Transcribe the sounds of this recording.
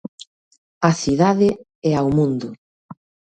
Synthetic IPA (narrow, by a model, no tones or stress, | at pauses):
aθiðaðɪ | ɛawmũnd̪ʊ